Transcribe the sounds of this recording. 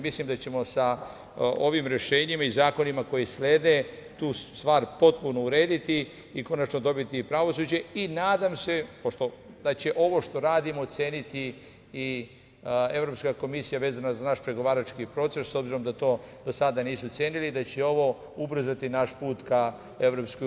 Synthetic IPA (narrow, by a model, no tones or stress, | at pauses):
mislimd̪at͡ɕe̞mo̞sa | o̞ʋimɾe̞ʃe̞ːɲimaizaːko̞nimako̞jisleːd̪net̪uːst̪ʋaːɾpo̞t̪̚puno̞uɾe̞ːd̪it̪i | iko̞nat͡ʃno̞d̪o̞bit̪iːpɾaʋo̞suːd͡ʑe̞inaːd̪amse̞poʃt̪o̞ | d̪at͡ɕe̞ʔo̞ʋo̞ʃt̪o̞ɾaːd̪imoːt̪se̞ːnit̪i | i | e̞ʋɾo̞pskako̞misijaʋeːzanazanaʃpɾe̞ɡo̞ʋaːɾat͡ʃkipɾo̞t̪se̞sːo̞bziɾo̞md̪at̪o̞ːd̪o̞sad̪aniːsut̪seːnilid̪at͡ɕeo̞ʋo̞ | ubɾ̩zat̪inaʃpuːt̪ka | e̞ʋɾo̞ːpsko